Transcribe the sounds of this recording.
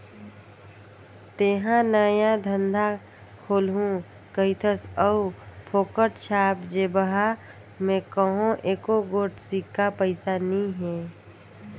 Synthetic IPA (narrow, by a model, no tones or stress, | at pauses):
t̪eɦãnəjãd̪ʱə̃nd̪ʱa | kʰoːlɦũ | kəɪt̪ʰəsəupʰoːkəʈʃaːpd͡ʒeːbəɦa | mẽkəɦõʔeːkoɡoːʈsikːapəɪsanĩɦɛ̃ː